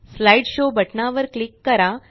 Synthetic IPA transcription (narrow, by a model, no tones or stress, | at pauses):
slaiɖɕobʱəʈnaʋəɾklikːəɾa